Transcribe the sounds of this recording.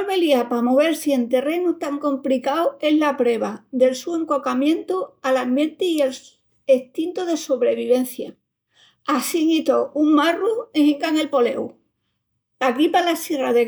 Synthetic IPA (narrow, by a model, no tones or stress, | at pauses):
βe̞liapamo̞β̞e̞ɾsie̞nt̪e̞re̞nut̪aŋko̞mplikawe̞ɦlapɾe̞βaðe̞lsue̞ŋko̞kamjẽ̞nt̪ualambjẽ̞nt̪eiel | eht̪int̪oðe̞so̞βɾe̞β̞iβe̞n̟θja | asiŋit̪ouŋmarueŋĩŋkaŋe̞lpo̞le̞̰w | lakɾipalasiraðe